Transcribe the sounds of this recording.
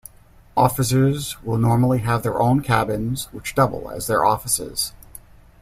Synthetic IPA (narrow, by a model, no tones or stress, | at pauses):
ʔɔfɨs̬ə˞zwɪlˠnɔɹml̩ˠiɨvðə˞ʔõʊ̃nkʰæbɨ̃nzwət͡ʃd̥ʌbl̩ˠə̰zðə˞ʔɔfəsɪ̰z̥